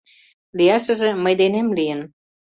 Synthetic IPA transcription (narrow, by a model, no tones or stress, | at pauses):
lijɑʃə̆ʒĕməjd̪enemlijən